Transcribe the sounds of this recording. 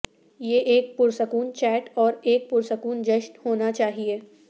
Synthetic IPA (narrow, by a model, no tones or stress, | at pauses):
jeʔeːk̚puɾsəkuːnt͡ʃɛːʈɔːɾeːk̚puɾsəkuːnd͡ʒɐʃnhoːnat͡ʃaːɦie